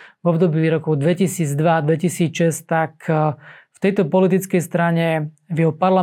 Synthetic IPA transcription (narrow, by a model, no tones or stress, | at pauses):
vɔbd̪ɔbiːɾɔkɔʊd̪ʋɛcisiːd͡zd̪ʋad̪ʋɛcisiːt͡sʃɛst̪akʰ | ft̪ɛjt̪ɔpɔlit̪it͡skɛjst̪ɾaɲɛʋjɛɦɔpaɾla